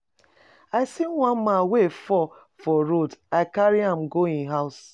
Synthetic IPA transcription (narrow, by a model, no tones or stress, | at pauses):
aɪsiŋʷam̩mawefɔ | fɔɾodaɪkaɾiãm̩ɡoĩnɦaʊs